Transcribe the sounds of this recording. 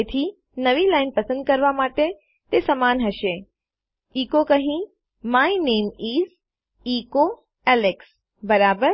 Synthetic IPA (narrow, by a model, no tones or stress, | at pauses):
et̪ʰi | nɐʋilaːɪnpɐsə̃nd̪̚kɐɾʋamaːʈe | t̪esɐmaːnɦɐʃe | iːkokɐɦĩ | maːineːmiːs | iːko | ɛːleks | bɐɾaːbəɾ